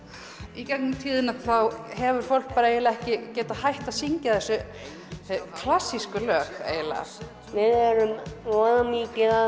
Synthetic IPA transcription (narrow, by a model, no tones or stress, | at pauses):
icaknʏmt̪ʰiːðɪnaθawɦɛvʏɾ̥fowl̥k̚paːɾaejlaɛhcɪcɛːt̪ahajht̪aðsiɲcaθɛsːʏ | kʰlasːiskʏlœːxḛːjla̰ | vɪðɛɾʏmvɔːðamiːcɪa